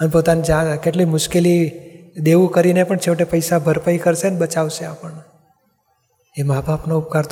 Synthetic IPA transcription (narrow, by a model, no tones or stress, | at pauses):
ənpot̪anid͡ʒakeʈlimʊʃkelid̪eʋũkəɾinepəɳt͡ʃʰeʋʈepəjsabʱəɾpaikəɾʃenebət͡ʃaʋʃeapəɳ | emabʱapnoup̚kaɾt̪